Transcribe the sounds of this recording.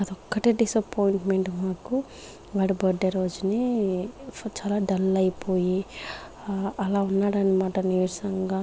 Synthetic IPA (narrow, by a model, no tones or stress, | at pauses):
ɐt̪ɔkːɐʈeɖisɐpʰoːjiɳʈmeɳʈmaːku | ʋaːɽubɐɖɐɾoːd͡ʒuni | t͡ʃaːlaːɖɐlːɐjpʰoːji | ɐlaːunːaːɽaːnimaːʈɐniuʃɐŋɡaː